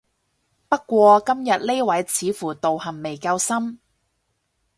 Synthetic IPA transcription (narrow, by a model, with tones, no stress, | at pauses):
pɐ˥t̚kʷɔː˧kɐ˥mjɐ˨t̚le˥wɐ˨˥jt͡sʰiː˨˥fuː˨˩t̪o˨whɐ˨˩mmːe˨˩jkɐ˧wsɐ˥m